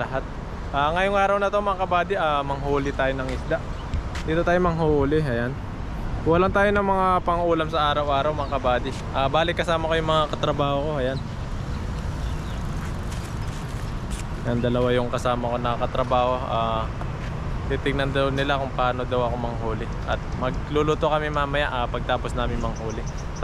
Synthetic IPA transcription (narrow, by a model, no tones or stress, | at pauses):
lɐɦat̪̚ | ʔaːŋɐjoŋʔaːɾɐwnɐt̪o̞mɐŋakɐbaːd̪ɪʔaːmɐŋɦoːlɪt̪aːjo̞nɐŋɪsd̪aʔ | d̪iːt̪o̞t̪aːjo̞mɐŋɦouːlɪɐjan | wɐlaŋt̪aːjo̞nɐmɐŋapɐŋʔuːlɐmsɐʔaːɾɐwʔaːɾɐwmɐŋakɐbaːd̪ɪ | ʔaːbaːlɪt̪kːɐsaːmɐkojʊŋmɐŋakɐt̪ɾɐbaːhoko̞ʔɐjan | jɐnd̪ɐlɐwajʊŋkɐsaːmɐko̞nɐkɐkɐt̪ɾɐbaːho̞ʔaː | t̪iːt̪ɪɡ̚nɐnd̪ɐwnɪlakʊŋpaːno̞d̪ɐwɐko̞mɐŋɦuːlɪ | ʔɐt̪̚mɐɡ̚luluːt̪okɐmɪmaːmɐjaʔaːpɐɡ̚t̪aːposnaːmɪŋmɐŋhuːlɪ